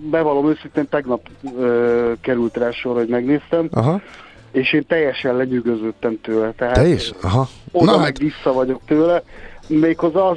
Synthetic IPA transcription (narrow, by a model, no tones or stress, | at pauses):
bɛvɒlo̞møːsint̪eːnt̪ɛɡnɒpøːkɛɾylt̪raːʃorho̞ɟmɛɡneːst̪ɛmɦ | eːʃeːnt̪ɛjːɛʃɛlɛɲyɡøzøt̪ːɛmt̪øːlɛt̪ɛɦaːʃɦod̪ɒmɛɡʋisːɒvɒɟo̞k̚t̪øːlɛmeːkhozɒ